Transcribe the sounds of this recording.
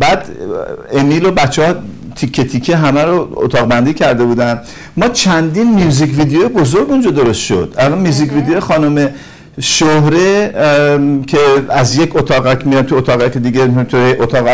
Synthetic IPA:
bæːd̪emiːlobæt͡ʃʰːɒː | t̪ʰikʰːe̞t̪ʰikʰːeɦæmæɾoo̰t̪ʰɒːɣbænd̪iːcʰæɾd̪e̞buːd̪æn | mɒːt͡ʃʰænd̪iːnmijuːzikvid̪ejojebozo̞ɾɡund͡ʒɒd̪o̞ɾo̞st̪ʃo̞̰d̪̥ælɔnmijuːzikvid̪ejojexɒːnome̞ | ʃohɾe | kʰeæzjekʰot̪ʰɒːɣækʰmiɾæmt̪ʰuot̪ɒːɣækʰed̪iːɡet̪ʰueʔot̪ʰɒːɣæ

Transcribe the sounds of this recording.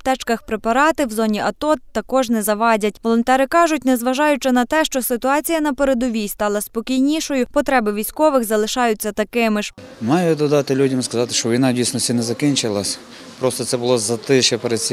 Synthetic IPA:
t̪ɛt͡ʃkɐxpɾepɐɾɑt̪ɪwzɔnʲiʔɐt̪ɔt̪ːɐkɔʒnɛzɐʋɑdʲɐt̚ʲʋɔlˠɔnt̪ɛɾɪkɑʒʊtʲnɛzʋɐʒɑjʊt͡ʃɪnɐt̪ɛʃt͡ʃɔsɪt̪ʊɑt͡sʲijɐnɐpeɾed̪ɔʋʲijst̪ɑlˠɐspɔkʲijnʲiʃɔjʊpɔt̪ɾɛbɪʋʲijsʲkɔʋɪxzɐlˠɪʃɑjʊt͡sʲːɐt̪ɐkɪmɪʃ | mɑjʊd̪ɔd̪ɑt̪ɪlʲudʲɐmskɐzɑt̪ɪ̥ʃt͡ʃɔʋʲijnɑdʲijsʲnɔsʲtʲinɛzɐkinʲt͡ʃɪlˠɐsʲ | pɾɔst̪ɔt̪sɛbʊlˠɔzɐt̪ɪʃɛpeɾed̪̚t͡sʲsʲ

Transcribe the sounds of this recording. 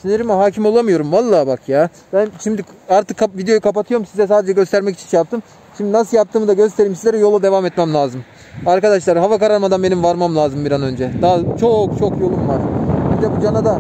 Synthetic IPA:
sineɾimaɦaːcʰimolˠamɯjo̞ɾumvalˠːaːbakʰjaː | b̥ænʃimd̪iaɾt̪ɯkʰːavid̪ejo̞jukʰapat̪ʰɯjo̞ɾumsizɛs̬aːd̪ed͡ʒɛɟø̞st̪ʰæɾmɛc̬i̥t͡ʃʰinʃɛjap̚t̪ʰɯm | ʃimd̪inas̬ɯlˠjap̚t̪ʰɯːmɯd̪aɟø̞st̪ʰeɾiːmsizʲeɾɛjo̞lˠad̪e̞vamɛt̪mɛmlʲaːzɯm | aɾkad̪aʃlˠaɾɦavakaɾaɾmad̪anbe̞nimvaɾmamlʲˠaːzɯmbiɾanø̞nd͡ʒɛd̪aɦat͡ʃʰo̞kt͡ʃʰo̞kjo̞lˠumvaɾ̥bid̪ɛbud͡ʒanad̪a

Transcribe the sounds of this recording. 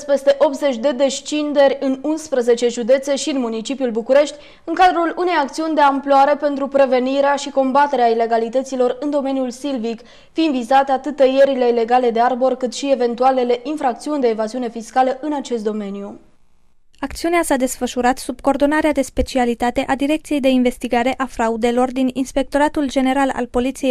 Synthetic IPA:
spe̞st̪e̞ʔo̞pt̪ze̞t͡ʃʲd̪e̞d̪e̞st͡ʃind̪e̞ɾʲɨnunspɾəze̞t͡ʃe̞ʒud̪e̞t̪se̞ʃiɨnmunit͡ʃipiulbukuɾe̞ʃt̪ʲ | ɨŋkad̪ɾulune̞jak̚t̪siunʲd̪e̞amploaɾe̞pe̞nt̪ɾupɾe̞ve̞niɾeaʃiko̞mbat̪e̞ɾeaile̞ɡalit̪ət̪silo̞rɨnd̪o̞me̞njulsilvik | find̪vizat̪eat̪ɨt̪ːəje̞ɾile̞ile̞ɡale̞d̪earbo̞rkɨt̪ʃie̞ve̞nt̪uale̞le̞ʔinfɾak̚t̪siunʲd̪e̞ːvaziune̞fiskaləʔɨnat͡ʃe̞st̪̚d̪o̞me̞nju | ak̚t̪siuneasad̪e̞sfəʃuɾat̪sub̚ko̞ːrd̪o̞naɾead̪e̞spe̞t͡ʃialit̪at̪e̞ʔad̪iɾe̞kt̪sije̞jd̪e̞inve̞st̪iɡaɾe̞ʔafɾaud̪e̞lo̞rd̪ininspe̞k̚t̪o̞ɾat̪uld͡ʒe̞ne̞ɾala̰lpo̞lit̪sijej

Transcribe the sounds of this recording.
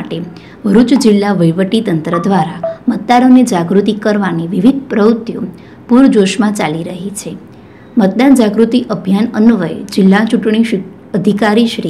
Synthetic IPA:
aʈe | bʱəɾut͡ʃd͡ʒɪlːaʋəjʋəʈit̪ənt̪ɾəd̪ʋaɾamət̪̚d̪anoned͡ʒaɡɾut̪ikəɾʋaniʋiʋid̪̚ʱpɾəut̪ːjo̰ | puɾd͡ʒoʃmãt͡ʃaliɾəɦit͡ʃʰe | mət̪̚d̪and͡ʒaɡɾut̪iʔəbʱjanənuʋəjḛd͡ʒɪlːat͡ʃuʈɳ̃i | əd̪ʱikaɾiʃɾi

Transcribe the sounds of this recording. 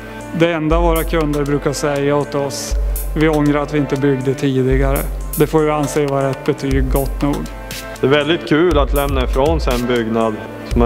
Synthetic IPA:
d̪ɛɛnd̪avoːɾakʰɵnd̪əɾbɾʉ̟ːkaʂɛjːaɔt̪ɔsvɪɔŋɾaɾat̪vɪɪnt̪əbʏɡd̪ət̪ʰiːd̪ɪɡaɾə̰d̪ɛfoːɾvɪanseːvɑːɾɛt̪ːbɛt̪ʰyːɡɡɔt̪ːnṵːɡ | d̪̥ɛːɾvɛld̪ɪt̪kʰʉ̟ːlat̪lɛmnaɪfɾoːnsɛnbʏɡnad̪ | sɔm

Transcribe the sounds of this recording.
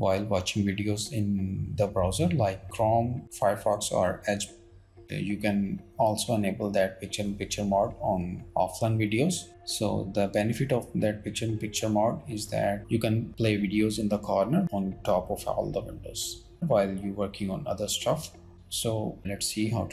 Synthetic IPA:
ʋaɪlʋɔːt͡ʃɪ̃ŋɡʋɪɖioːzɪ̃nd̪əbɾaʊzəɾlaɪkːɾɔ̃ːmfaɪəɾfɔːksɔ̰ːɾɛd͡ʒ | juːkɛ̃nɔːlsoːɛneːbəld̪æʈ̚pɪk̚t͡ʃəɾ̃pɪk̚t͡ʃəɾmɔːɾɖɔ̃ːnʔɔ̰ːflãɪ̃nʋɪɖioːz | so̰ːd̪əbɛnɪfɪʈɔʋd̪æʈ̚pɪk̚t͡ʃəɾ̃npɪk̚t͡ʃəɾmɔːɖɪzd̪æ̰ʈ̚jukɛ̃npleːʋɪɖioːzɪ̃nd̪əkʰɔːɾnəɾɔ̃ːnʈɔːpɔfɔ̰ːld̪əʋɪ̰̃ɳɖo̰ːz̥ | ʋaɪljuʋəɾkɪ̃ŋɔ̃ːnʌ̰d̪əɾsʈʌf | soːlɛʈsːiːɦaʊ

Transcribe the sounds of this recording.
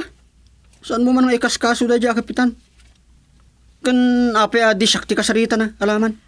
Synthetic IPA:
sanmumanŋekaskasudad͡ʒakəpit̪an | kɨnapeadiʃak̚t̪ikasɾit̪anaalaman

